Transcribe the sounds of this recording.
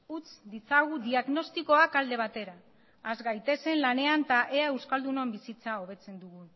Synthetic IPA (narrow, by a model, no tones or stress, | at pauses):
ut͡sd̪it͡saɣud̪iaɣno̞st̪iko̞akald̪e̞β̞at̪e̞ɾaː | zɣajt̪e̞se̞nlane̞ant̪aʔe̞ae̞wskald̪uno̞mbisit͡sao̞β̞e̞t͡se̞nd̪uɣun